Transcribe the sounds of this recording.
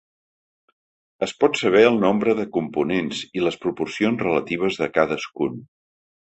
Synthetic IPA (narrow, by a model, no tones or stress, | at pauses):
əspɔt̪səβ̞ɛəlˠnombɾəðəkumpunenziləspɾupuɾsionzrələt̪iβ̞əzðəkaðəskun